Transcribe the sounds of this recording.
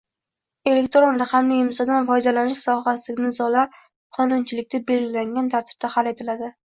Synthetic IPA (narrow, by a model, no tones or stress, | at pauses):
e̞le̞kʲt̪ɾonɾaqʰɑmnɪɪmsɒd̪anfɒjd̪alanɪʃsɒɦasɪnɪzɒlaɾ | qʰɒnʊnt͡ʃʰɪlɪk̚ʲt̪abe̞lɡʲɪlaŋɡʲant̪ʰaɾt̪ʰɪ̥b̥̚d̪ahale̞t̪ʰɪlad̪ɪ